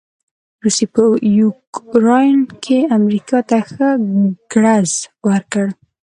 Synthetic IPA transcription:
ɾusepəjukɾɑjnkʰeamɾikɑt̪axəɡ̥ɽazwəɾkəɽ

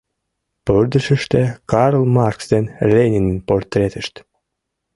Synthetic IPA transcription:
pørd̪əʃəʃt̪ekɑɾlˠmɑrksd̪enlʲenʲinənport̪ːɾʲet̪əʃt̪

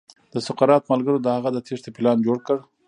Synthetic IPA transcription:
d̪̥əsʊqaɾɑt̪malɡəɾod̪əhaɣad̪ət̪ʰeʂt̪apɪlɑnd͡ʒoɽkəɽ

